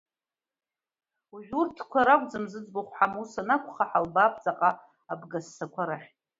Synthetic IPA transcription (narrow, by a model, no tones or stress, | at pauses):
uʒᶣʷurtʰkʷʰaɾakʷʼd͡zɨmzɨd͡zboχʷħamusanakʷʰʼχaħalbap̚ʰʼt͡sʼaqʼa | abɡasːakʷʰaɾaχʲʼ